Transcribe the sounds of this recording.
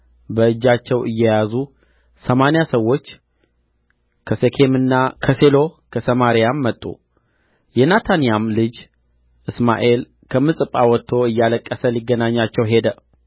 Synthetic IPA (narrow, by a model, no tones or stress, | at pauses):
bəɨd͡ʒːat͡ʃːɛwɨjːɛjazu | səmanjasəwːo̞t͡ʃː | kʰəsekʰe̞mɨnːakʰəse̞lo̞kʰəsəmaɾijamːət̪ʼːṵ | jɛnat̪ʰanijamlɨd͡ʒ | ʔɨsma̰ʔe̞l | kʰəmɨsʼɨpʼːawɔt̪ʰːo̞ɨjːaləkʼːəsəliɡːənaɲːat͡ʃːɛwɦe̞d̪ə